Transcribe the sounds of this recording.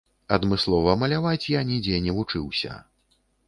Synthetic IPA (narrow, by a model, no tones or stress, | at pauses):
ɐd̪mɨslˠɔvɐmɐlʲavat͡sʲjanʲid͡zʲɛnʲɛvut͡ʂɨwsʲɐ̰